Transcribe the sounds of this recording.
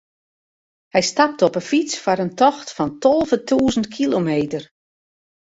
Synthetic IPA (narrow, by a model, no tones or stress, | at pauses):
hɛjstap̚təɔpəfit͡sfɔɾəntɔxtfɔntɔlˠvətʰuːzən̩tkʰilomeːtər